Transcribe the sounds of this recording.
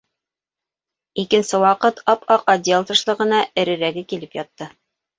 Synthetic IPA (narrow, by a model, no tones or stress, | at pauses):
ikɘ̆nsɘwɑqɤt̪ʰɑpɑqɑd̪ʲelˠt̪ɤ̆ʃlˠɤ̆ʁɤ̆nɑʔɘ̆ɾɘ̆ɾæɡɘkilɘpjɑt̪ːɤ